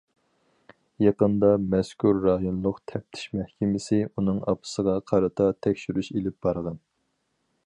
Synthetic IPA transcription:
jɑqənd̪ɑmɛskʲʰuɾːɑjonlˠʊqt̪ʰɛp̚t̪ʰi̥ʃmɛhkʲʰɪmɪsɪunɨŋɑ̰pʰɨ̥səʁɑqʰɑɾɨt̪ʰɑt̪ʰɛkʲʃyɾyʃelɪp̚b̥ɑɾʁɑn

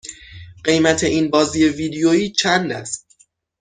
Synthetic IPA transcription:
ɢe̞jmæt̪ʰe̞ʔinbɒːziːje̞viːd̪ejoiːt͡ʃʰænd̪æ̰st̪

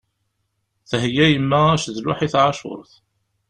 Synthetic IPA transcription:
θɦjæjəmːææʃðlʊ̰ħiθʕaʃʊ̰ɾˤθ

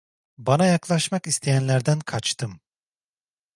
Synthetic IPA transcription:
banajaklˠaʃmakist̪ʰejænlʲæɾd̪ænkʰat͡ʃt̪ʰɯm

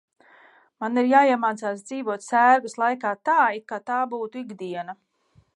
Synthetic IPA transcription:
maniɾjaːiɛmaːt̪saːs̬d̪z̥iːvuɔt̪sæːɾɡɐslˠajkaːt̪aːikːat̪aːbuːt̪uiɡd̪iɛna

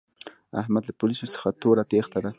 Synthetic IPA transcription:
a̰hmad̪lapolisosə̥xat̪oɾat̪ext̪ad̪a

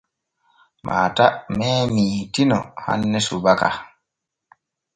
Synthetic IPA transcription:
mʔa̰ːtamɛːmiːtinɔ̰ha̰nːɛsubaka

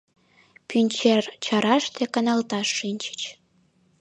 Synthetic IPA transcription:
pynʲt͡ɕert͡ɕɑɾɑʃt̪ekɑnɑlt̪ɑʃːinʲt͡ɕə̥t͡ɕ

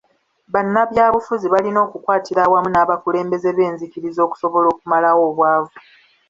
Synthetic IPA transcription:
βanːaβjaːβufuziβalino̞ːkukwaːtiɾawamunaːβakule̞ːmbe̞ze̞βe̞ːnzikiɾizo̞ːku̥so̞βo̞lo̞ːkumalawo̞ːβwaːvu

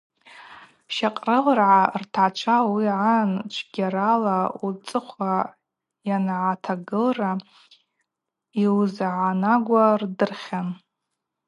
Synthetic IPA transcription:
ʃaqʼrɨlrʕartʰat͡ʃʷʰawiʕant͡ʃʷʰɡʲaɾalaut͡sʼɨχʷa | janʕatʰaɡɨlra | iwzʕanaɡʷardɨrχʲan

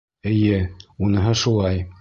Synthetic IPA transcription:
ɘ̆jɘunɤ̆ɦɤʃulˠɑj

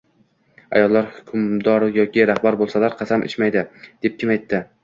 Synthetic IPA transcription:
a̰jɒlˠːaɾhʊkʲʰʊmd̪ɒɾjɒkʲʰɪɾahbaɾbolˠsalaɾqʰɑsamʔɪ̰t͡ʃmajd̪ɪd̪̥e̞p̚kʲɪmajt̪ʰːɪ

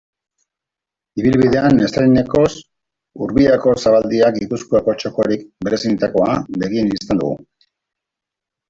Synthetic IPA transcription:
iβilβiðe̞ane̞st̪ajne̞ko̞s | uɾβiako̞saβald̪iakɡipuskuako̞t͡ʃo̞ko̞ɾikbe̞ɾe̞sinet̪ako̞a̰βe̞ɣienist̪end̪ṵɣ̞ṵ

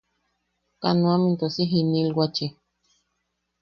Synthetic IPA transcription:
kanũamint̪osiɦinilwat͡ʃi

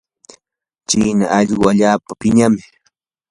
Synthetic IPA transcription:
t͡ʃiːnaʔaʎɢʊaʎaːpapɪɲamɪ

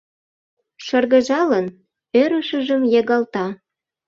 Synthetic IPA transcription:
ʃɤrɣə̆ʒɑlən | øɾəʃəʒəmjeɣɑlt̪ɑ

